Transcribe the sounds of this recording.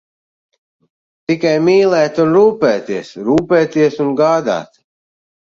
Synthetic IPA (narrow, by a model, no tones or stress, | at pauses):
t̪ikajmiːlˠɛːt̪unɾuːpɛːt̪iɛsɾuːpɛːt̪iɛsunɡaːd̪a̰ːt̪